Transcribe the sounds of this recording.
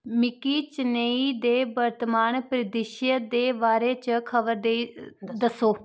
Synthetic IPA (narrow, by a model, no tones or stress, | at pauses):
mɪkiːt͡ʃɪneːiːd̪eːbəɾt̪maːnpɾɪd̪ɪʃjəd̪eːbaːɾeːt͡ʃkʰəʋəɾd̪ed̪əsoː